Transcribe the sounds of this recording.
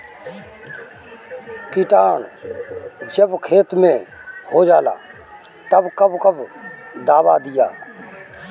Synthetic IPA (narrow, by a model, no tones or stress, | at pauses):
kɪʈaːɳ | d͡ʒəbkʰeːt̪mẽhoːd͡ʒaːla̰ː | t̪ɐbkɐbkəbd̪aːʋa̰ːd̪ɪja̰ː